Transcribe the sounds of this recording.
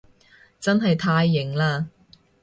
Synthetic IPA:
t͡sɐ˥nɦɐ˨jt̪ʰaː˧jːɪ˨˩ŋlaː˧

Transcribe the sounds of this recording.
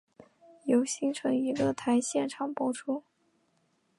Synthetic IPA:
jo˧˥ʊɕi˥ŋʈ͡ʂʰɤ˧˥ŋi˧˥ɡə˧t̪ʰa˧˥ɪɕjɛ˥˩nʈ͡ʂʰɑ˨˩ŋpwɔ˥ʈ͡ʂʰu˥

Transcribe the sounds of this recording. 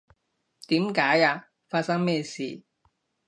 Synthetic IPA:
t̪iː˨˥mkaː˨˥jaː˧ | faː˧t̚sɐ˥ŋmɛː˥˧sḭː˨

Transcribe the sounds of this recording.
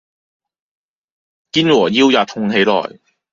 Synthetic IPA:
kiː˥nwɔː˨˩jiː˥wjaː˨˧t̪ʰʊ˧ŋɦe˨˧jlɔ̰ː˨˩j

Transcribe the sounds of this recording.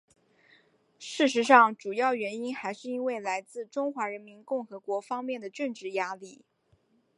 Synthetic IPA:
ʂɻ̩˥˩ʂ̬ɻ̩˧˥ʂɑ˥˩ŋʈ͡ʂu˨˩jɑ˥˩ʊɥɛ˧˥ni˥nxa˧˥ɪʂɻ̩˥˧i˥nwe˥˩ɪla˧˥ɪt͡sɹ̩˥˩ʈ͡ʂʊ˥ŋxwa˧˥ɻə˧˥nmi˧˥nkʊ˥˩ŋxɤ˧˥kwɔ˧˥fɑ˥ŋmjɛ˥˩nd̪ə˩ʈ͡ʂə˥˧nʈ͡ʂɻ̩˥˩ja˥li˥˩

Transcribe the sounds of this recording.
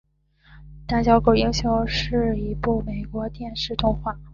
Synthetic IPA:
t̪a˥˩t͡ɕjɑ˥ʊko˨˩ʊi˥ŋɕjo˧˥ʊʂɻ̩˥˩i˧˥pu˥˩me˨˩ɪkwɔ˧˥t̪jɛ˥˧nʂɻ̩˥˧t̪ʊ˥˧ŋxwa˥˩

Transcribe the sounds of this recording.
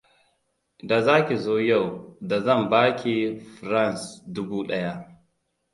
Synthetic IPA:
da˨zaː˦kʲi˨zoː˦ja˦˨wda˨zɐ˦˨mbaː˦kʲi˦ɸɾa˦˨nsdʊ˦buː˦ɗɐ˦ja˦ʔ

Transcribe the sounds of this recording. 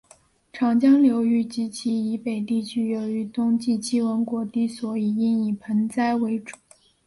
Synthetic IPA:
ʈ͡ʂʰɑ˨˩ŋt͡ɕjɑ˥ŋljo˧˥ʊy˥˩t͡ɕi˧˥t͡ɕʰi˧˥i˧˥pe˨˩ɪt̪i˥˩t͡ɕʰy˥jo˧˥ʊy˧˥t̪ʊ˥ŋt͡ɕi˥˩t͡ɕʰi˥wə˧˥nkwɔ˨˧˥t̪i˥˩swɔ˨˩i˨˩i˥ni˨˩pʰə˧˥nt͡sa˥ɪwe˧˥ɪʈ͡ʂu̥˨˩˦

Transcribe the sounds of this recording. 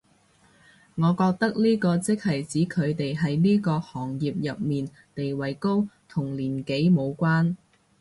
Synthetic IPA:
ŋɔː˨˧kɔː˧k̚t̪ɐ˥k̚niː˥kɔː˧t͡sɪ˥k̚hɐ˨jt͡siː˨˥kʰɵ˨˧ɥt̪e˨jɦɐ˨jniː˥kɔː˧hɔː˨˩ŋjiː˨p̚jɐ˨p̚miː˨˩n | t̪e˨jwɐ˨˩jko˥wt̪ʰʊ˨˩ŋliː˨˩nke˨˥jmo˨˧wkʷwaː˥n

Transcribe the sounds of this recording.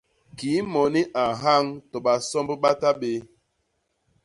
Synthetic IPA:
ki˨˦mɔ˨ni˦ʔa˨ɦa˦ŋtɔ˨ɓa˨sɔ˦mbɓa˦ta˦ɓe˦

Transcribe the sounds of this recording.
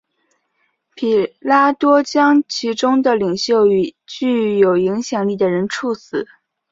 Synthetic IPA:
pʰi˨˩la˥t̪wɔ˥t͡ɕjɑ˥ŋt͡ɕʰi˧˥ʈ͡ʂʊ˥ŋd̪ə˨li˨˩ŋɕjo˥˩ʊy˨˩t͡ɕy˥˩jo˨˩ʊi˧˥ŋɕjɑ˨˩ŋli˥˩d̪ə˩ɻə˧˥nʈ͡ʂʰu˥˩sɹ̩˨˩˦

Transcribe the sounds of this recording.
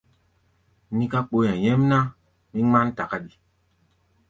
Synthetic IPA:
nĩ˦ka˦k͡po˨˦jã˨jɛ˦mna˦ | mĩ˦ŋ͡mã˦nta˨ka˦ɗi˨

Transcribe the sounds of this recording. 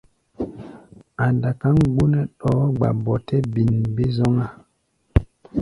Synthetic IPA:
a˨nda˨ka˦ŋɡ͡bu˦nɛ˦ɗɔ˨˦ɡ͡ba̰˨bɔ˨tɛ˦bi˨nbi˦zɔ˦ŋa˦

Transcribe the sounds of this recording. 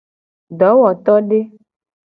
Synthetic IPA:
ɖɔ˨˦wɔ˨t̪ɔ˦ɖe˦

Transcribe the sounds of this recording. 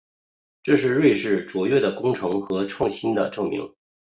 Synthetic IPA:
ʈ͡ʂɤ˥˧ʂɻ̩˥˧ɻwe˥˧ɪʂɻ̩˥˩t͡swɔ˧˥ɥɛ˥˩d̪ə˩kʊ˥ŋʈ͡ʂʰɤ˧˥ŋxɤ˧˥ʈ͡ʂʰwɑ˥˩ŋɕi˥nd̪ə̰˨ʈ͡ʂɤ˥˩ŋmḭ˧˥ŋ

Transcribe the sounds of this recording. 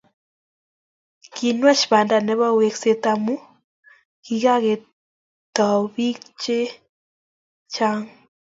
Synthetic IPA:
ki˨nwa˦ʃβa˨nda˨ne˦βa˦we˨kse˨t̪a˨mu˦ | ki˨ɣa˦ɣe˨ | t̪a˨βi˦kt͡ʃe˦ | t͡ʃa˦ŋ

